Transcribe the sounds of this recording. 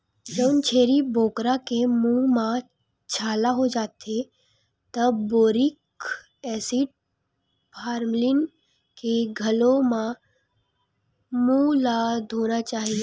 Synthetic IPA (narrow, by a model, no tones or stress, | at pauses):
d͡ʒəwnt͡ʃʰeːɾibʱoːkɾakemũmã | t͡ʃʰaːlaɦod͡ʒaːt̪e | t̪əboːɾɪk | ɛːsiːʈ̚ | pʰaːɾmlɪn | keɡʱɐlõmã | mũlaːd̪ʱoːnat͡ʃaːɦie